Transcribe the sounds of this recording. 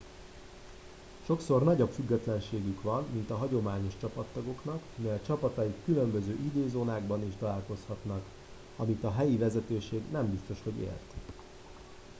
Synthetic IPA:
ʃo̞kso̞rnɒɟopfyɡːɛt̪lɛnʃeːɡykʋɒnmint̪ɒɦɒɟo̞maːɲo̞ʃt͡ʃɒpɒt̪ːɒɡo̞kn̪ɒkmɛjɛt͡ʃɒpɒt̪ɒjikːylø̞mbøzøːʔid̪øːzoːnaːɡbɒniʃt̪ɒlaːlko̞shɒt̪nɒk | ɒmit̪ɒɦɛjivɛzɛt̪øːʃeːɡnɛmbist̪o̞ʃho̞ɟḛːlt̪

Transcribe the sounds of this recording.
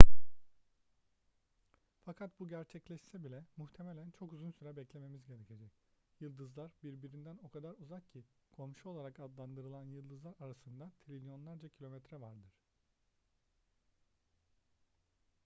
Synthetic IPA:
fakʰat̪̚buɟæɾt͡ʃʰɛclʲɛʃsɛbilʲɛmuxt̪ʰe̞me̞lʲænt͡ʃʰo̞kyzynsyɾɛbɛclʲe̞me̞mizɟe̞ɾecʰe̞d͡ʒɛcjɯlˠd̪ɯzlˠaɾbiɾbiɾind̪æno̞kʰad̪aɾuzakcʰikʰomʃuolˠaɾakad̪lˠand̪ɯɾɯlˠanjɯlˠd̪ɯzlaɾaɾasɯnd̪at̪ʰɾilʲijo̞nlˠaɾd͡ʒacʰilʲo̞mɛt̪ɾɛvaɾd̪ɯɾ̥

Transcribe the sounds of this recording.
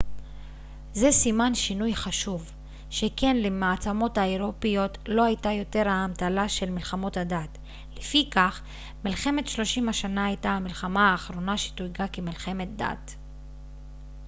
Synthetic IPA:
zesimanʃinujχaʃuv | ʃeke̞nlemaːt͡samo̞thaeʁo̞pijo̞tlo̞hajtajo̞te̞ʁaːmt̪alaʃe̞lmilχamo̞thadat | lefikaχ | milχe̞me̞tʃlo̞ʃimaʃanaajtaamilχamaaːχʁo̞naʃi̥tujɡakemilχe̞me̞t̚da̰t

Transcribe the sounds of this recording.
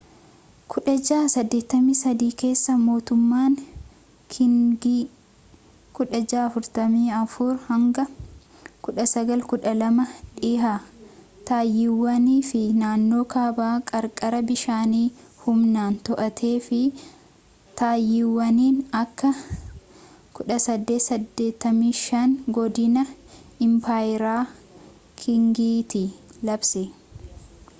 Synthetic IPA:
kʰʊᶑɐd͡ʒaːsɐd̪ːe̞ːt̪ːɐmːiːsɐd̪iːke̞ːsːɐmo̞ːt̪ʊmːaːŋ | kʰɪŋɡi | kʊᶑɐd͡ʒaːɐfʊɾt̪ɐmiːɐfʊɾhɐŋɡɐ | kʊᶑɐsɐɡɐlkʊᶑɐlɐmɐᶑɪːɦaː | t̪aːjːɪwːɐniːfɪnaːnːo̞ːkaːbaːkʼɐɾkʼɐɾɐbɪʃaːniːhʊmnaːnt̪ɔʔɐt̪ʰe̞ːfɪ | t̪aːjːɪwːɐniːnɐkːɐ | kʊᶑɐsɐd̪ːeːsɐd̪ːe̞ːt̪ːɐmiːʃɐnɡɔd̪ɪnɐɪmpaːjɪɾaː | kʰɪŋɡiːt̪ɪlɐbsɛ

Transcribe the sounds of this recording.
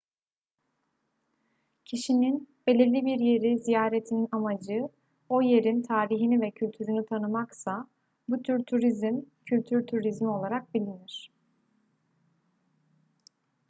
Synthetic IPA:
cʰiʃininbe̞lʲiɾlʲibiɾje̞ɾizijaːɾet̪ʰininamad͡ʒɯ | o̞je̞ɾint̪ʰaːɾiɦinivɛcʰylʲt̪ʰyɾynyt̪ʰanɯmaksa | but̪ʰyɾt̪ʰuɾizmcʰylʲt̪ʰyɾt̪ʰuɾizmo̞lˠaɾak̚bilʲiniɾ̥

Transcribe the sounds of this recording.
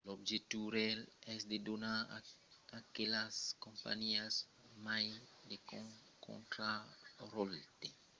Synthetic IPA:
lobd͡ʒet̪uɾɛlɛsdedona | akelaskõmpa̰ɲias | majdeko | kõ̰nt̪ɾaɾolt̪e

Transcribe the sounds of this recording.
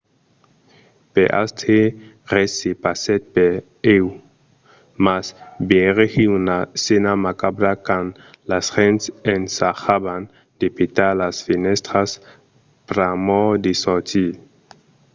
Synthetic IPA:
peʔa̰st̪ʰe | ʁesipaset̪̚pe | ew | masbeʁexiunasenamakabɾakan | lasʁensensaxaban | d̪̥ipit̪alasfinest̪ɾas | pɾamod̪isot̪i

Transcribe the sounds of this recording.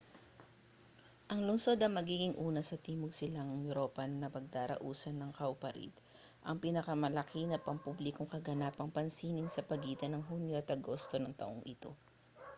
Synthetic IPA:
ʔɐŋlʊnso̞d̪ɐŋmɐɡiːɡɪŋʔuːnɐsɐt̪iːmoɡsɪlaŋɐŋjʊɾoːpɐnnɐpɐɡ̚d̪aːɾɐ̰ʔuːsɐnɐŋkɐʔʊpɐɾḭd̪ | ʔɐŋpɪnɐkɐmɐlɐkʰinɐpɐmpublɪkoŋkɐɡɐnaːpɐŋpɐnsiːnɪŋsɐpɐɡiːt̪ɐnɐŋɦunjoʔɐt̪ɐɡo̞st̪o̞nɐŋt̪ɐ̰ʔoŋʔɪt̪o̞

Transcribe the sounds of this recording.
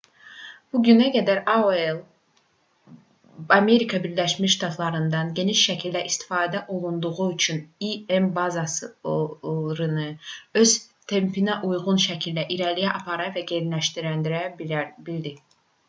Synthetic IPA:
b̥uɟynæɡæd̪æɾaelˠ | ɑme̞ɾikʰɑbiɾlæʃmiʃt̪ʰɑt̪ʰlˠɑɾɯnd̪ɑnɟe̞niʃʃæcʰilʲd̪æʔist̪i̥fɑːd̪æʔo̞lˠund̪uʁuyt͡ʃʰyniembɑzɑs | ɾɯnɯø̞z̥ | t̪ʰe̞mpʰinæʔujɣunʃæcʰilʲd̪æʔiɾæɾlijæʔɑpʰɑɾɑvæɟeɾlæʃt̪iɾænd̪iɾæbbild̪i

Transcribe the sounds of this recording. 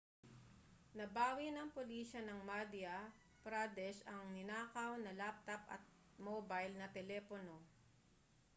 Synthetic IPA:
nɐbaːwinɐŋpoliːʃɐnɐŋmad̪iɐ | pɾad̪ɛʃɐŋnɪnaːkɐwnɐlap̚t̪ɐpɐ̰t̪̚ | mobajlnɐt̪ɛlɛːpono̞

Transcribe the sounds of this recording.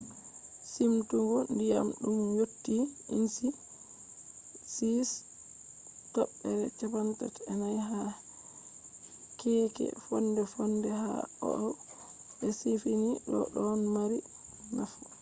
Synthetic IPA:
simtuŋɡɔndijamɗumjotːiinsi | sis | tɔɓːɛɾɛt͡ʃapanta̰tɛnajɦa | kɛːkɛ̰fɔndɛfɔndɛɦa̰ɔ̰ʔaw | ʔɛsifiniɗɔ̰ɗɔnmaɾi | nafu

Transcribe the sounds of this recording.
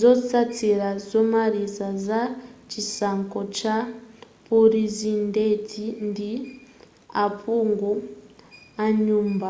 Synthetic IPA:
zɔsatʰiɾazɔmaɾizazat͡ʃisaŋkɔt͡ʃapuɾizindetʰindi | apʰuŋɡu | aɲuːmba

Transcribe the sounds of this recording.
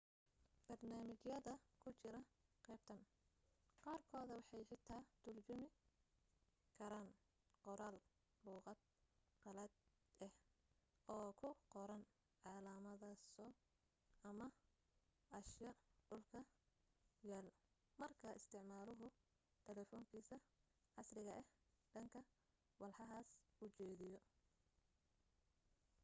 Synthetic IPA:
b̥ɐrnaːmɪt͡ʃjɐðɐkʰʊt͡ʃɪɾɐqɛːb̚t̪ʰɐn | qɑːrkʰɔːðɐwɑħɑjħɪt̪ʰaːt̪ʰʊrt͡ʃʊmɪ | kʰɐɾaːn | qɔɾaːl | luːqɑd̪̚ | qɑlɐd̪ | ɛh | ʔɔːkʰʊqɔɾɐn | ʕɑːlaːmɐðɐsɔ | ɐmɐ | ɐʃjɐɖʊlkʰɐ | jɛːl | mɐrkʰɐɪst̪ʰɪʕmaːlʊɦʊ | t̪ʰɛlɛːfɔːŋkʰiːsɐ | ʕɑsrɪɣɐʔɛhɖɐŋkʰɐ | wɑlħɑɦaːsʊt͡ʃɛːðɪjɔ

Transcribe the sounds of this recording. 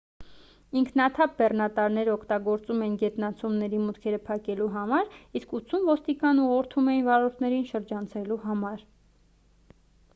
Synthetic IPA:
iŋkʰnɑt̪ʰɑp̚bɛrnɑt̪ɑɾnɛɾɔkʰt̪ɑɡɔɾt͡sumɛinɡɛt̪nɑt͡sʰumnɛɾimut̪kʰɛɾəpʰɑkɛluɦɑmɑɾiskut͡sʰumvɔst̪ikɑnuʁɔɾt̪ʰumɛjinvɑɾɔɾt̪ʰnɛɾinʃəɾd͡ʒɑnt͡sʰɛluɦɑmɑɾ

